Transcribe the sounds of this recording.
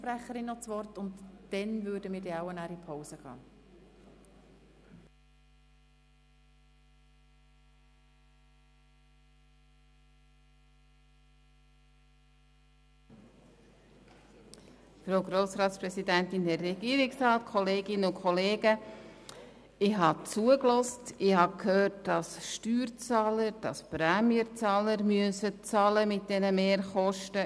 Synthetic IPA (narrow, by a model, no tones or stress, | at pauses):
pɾæχəɾɪnːɔt͡sʋɔrtʊntd̥ɛnvʏːɾdəmɪːɾdiaʊənæːɾipʰoʊsəɡ̥ɑ̰ː | fɾoɡɾoːsɾɑːtspɾɛsidæntɪndɛrːɛɡ̥iːɾɪksɾɑːtkʰɔleːɡɪnəʊkʰχɔleːɡə | ɪɦɑt͡suəklɔstɪhɑkhøːɾt̚d̥ɑsʃtyːɾt͡sɑːləɾd̥ɑspɾɛmiəɾt͡sɑːləɾmyəsət͡sɑːləmɪt̚d̥ɛnəmeːɾχɔʃtə